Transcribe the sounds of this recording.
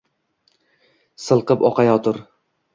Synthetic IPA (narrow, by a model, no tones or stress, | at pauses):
sɨlˠqɤpɒqɑjɒt̪ʰʊɾ